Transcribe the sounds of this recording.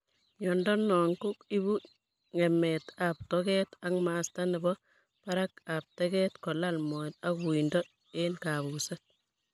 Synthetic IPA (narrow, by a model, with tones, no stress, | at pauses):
ɲɔndɔ˦nɔ˨ŋkʊ˦ki˦bu˦ | ŋɛ˨mɛta˨p̚tɔkɛ˦ta˦ŋmaːsta˦nɛ˨bɔ | pa˦ɾaka˨p̚tɛkɛtkɔ˨lalmɔta˦ku˨indɔ˦ | enka˨βu˨set̚